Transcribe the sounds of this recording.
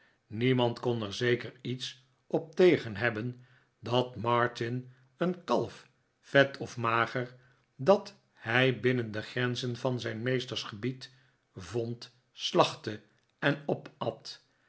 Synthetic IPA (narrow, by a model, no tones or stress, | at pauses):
nimɑntkɔnɛɹzejkəɹits | ɔp̚tejχənɦɛbən | dɑtmɑɹtɪn | ənkɑlˠf | fɛtʰɔfmaːχəɹ | dɑt | hɛjbɪnəndəχrɛnzənvɑnzɛjnmejstəɹsχəbit | vɔnt | slɑχtə | ɛnɔpɑt